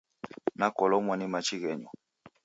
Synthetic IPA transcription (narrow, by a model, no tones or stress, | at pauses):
nakɔlɔmwɔnimat͡ʃiɣɛɲɔ